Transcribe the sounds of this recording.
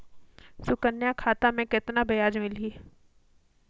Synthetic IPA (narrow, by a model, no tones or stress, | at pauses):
sʊkənːjakʰaːt̪amẽkɪt̪nabɐjaːd͡ʒmɪliː